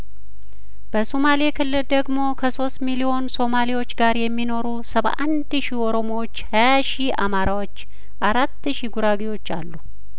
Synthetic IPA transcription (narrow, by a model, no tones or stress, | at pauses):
b̥əsomalekʰɨlːɨld̪əɡmo̞kʰəso̞st̪milio̞nso̞maliwo̞t͡ʃːɡaɾjɛmːino̞ɾusəβʔa̰nd̪ʃioɾo̞mowot͡ʃːhajaʃia̰maɾawo̞t͡ʃː | ʔaɾat̪ːʃiɡuɾaɡiwo̞t͡ʃːa̰lːu